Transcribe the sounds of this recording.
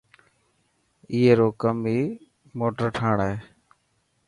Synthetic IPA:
iːeːɾoːkəmiː | moːʈəɾʈʰaːɳɛeː

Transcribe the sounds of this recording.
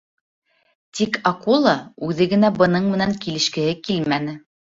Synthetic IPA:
t̪ikʰɑkulˠɑʉðɘɡɘ̆næbɤ̆nɤɴmɘ̆næŋkilɘ̆ʃkɘ̆hɘkilmænɘ

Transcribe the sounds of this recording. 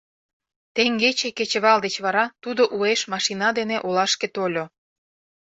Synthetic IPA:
t̪eŋɡet͡ɕeket͡ɕə̆βɑld̪et͡ɕβɑɾɑt̪ud̪oʔueʃmɑʃinɑd̪eneʔolɑʃket̪olʲo

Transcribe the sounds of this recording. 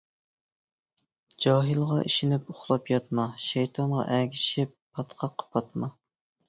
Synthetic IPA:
d͡ʒɑːɦɨlˠʁɑʔḭʃɪnɪpʊχlˠɑpjɑt̪mɑʃæjt̪ʰɑnʁɑ̰ʔæɡʲi̥ʃɪpʰːɑt̪qʰɑqʰːɑ̥pʰɑt̪mɑ

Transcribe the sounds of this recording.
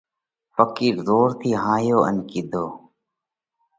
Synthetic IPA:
fəkiːɾzoːɾt̪ʰiːɦãːjoːə̰nkɪd̪ʱoː

